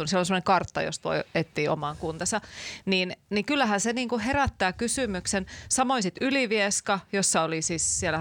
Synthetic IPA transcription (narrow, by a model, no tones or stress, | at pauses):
unselonsemə̆neŋkɑrt̪ːɑ̰jo̰st̪o̰iet̪ːiːomɑŋkunt̪ɑsɑniːnniŋkylːæhænseniːŋkuheræt̪ːæːkysymyksensɑmoisit̪yliʋieskɑjosːɑolisissielæ